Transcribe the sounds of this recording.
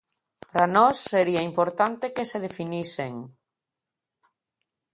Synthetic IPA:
pɾanɔsːeɾiaimpoɾt̪ant̪ekeseð̞efiniseŋ

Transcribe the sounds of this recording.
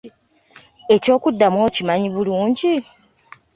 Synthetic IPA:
e̞co̞ːkudːamwo̞ːcimaɲiβuluːɲɟi

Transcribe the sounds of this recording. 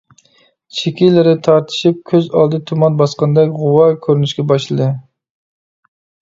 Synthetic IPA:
t͡ʃʰekʲilɪɾɪt̪ʰɑɾt̪ʰɨ̥ʃip̚kʲʰøzɑ̰lˠd̪ɨt̪ʰumɑnbɑsqɑnd̪ɛkʲʁʊwɑkʲʰøɾnyʃkʲɛbɑʃlˠɨd̪ɨ

